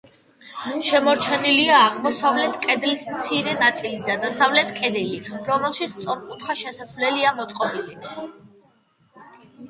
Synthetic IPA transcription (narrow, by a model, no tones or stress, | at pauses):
ʃɛmɔɾt͡ʃʰɛniliaːʁmɔsavlɛt̪ʰkʼɛd̪lismt̪sʰiɾɛnat̪sʼilisd̪ad̪asavlɛt̪ʰkʼɛd̪iliɾɔmɛlˠʃit̪sʰt̪ʼɔɾkʼut̪ʰχaʃɛsasvlɛliamɔt̪sʼqʼɔbili